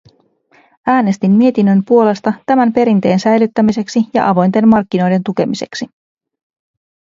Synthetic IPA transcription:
æːne̞st̪imːie̞t̪inːø̞mpuo̞le̞st̪ɑt̪æmæmpe̞ɾint̪e̞ːnsæjlyt̪ːæmise̞ksijɑ̰ʔɑʋo̞jnt̪e̞nmmɑrkːino̞jde̞nt̪uk̟e̞mise̞̰ksi

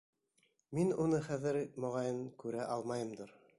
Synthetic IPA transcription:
minunɤχæðɘɾmŏʁɑjɤnkʉɾæʔɑlˠmɑjɤ̆md̪oɾ

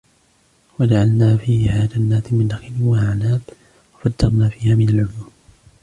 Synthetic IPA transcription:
wad͡ʒaʕalnaːfiːhɪhaːd͡ʒanːaːt̪ɪmɪnʔaxɪlɪwahaʕnaːt̪ | wafad̪ːɑɾˤnaːfiːhaːmɪnalʕʊluːm

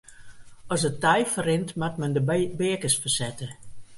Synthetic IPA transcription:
ɔsətɛjfərɪntmatmɛndəbɪəkəsfərsɛtə

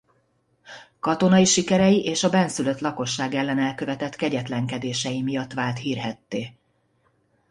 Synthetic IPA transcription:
kɒt̪o̞nɒiʃikɛɾɛjiʔeːʃɒbɛnsyløt̪lɒko̞ʃːaːɡɛlːɛnɛlkøvɛt̪ɛt̪kɛɟɛt̪lɛŋkɛd̪eːʃɛjimijɒt̪ːʋaːlt̪hiːrɦɛt̪ːeː

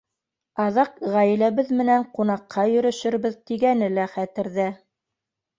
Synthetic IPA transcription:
ɑðɑqʁæj̆læβɘðmɘ̆næɴqunɑqʰːɑjɵ̆ɾɵ̆ʃɘ̆ɾbɘðt̪iɡænɘlæχæt̪ɘ̆ɾðæ

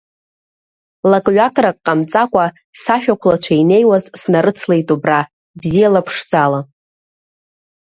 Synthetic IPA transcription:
lakʼɥakʼɾakʼqʼːamt͡sʼakʷʼa | saʃᶣakʷʰlat͡ɕʷʰaine̞jwazsnaɾɨt͡sʰlejtʼubra | bzijalapʰʂd͡zʼala

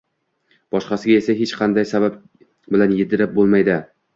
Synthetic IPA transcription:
b̥ɒʃqɑsɪɡʲae̞saɦet͡ʃqʰɑnd̪ajsabap | bɪlanjɪd̪ɪɾɪp̚bolˠmajd̪ɪ

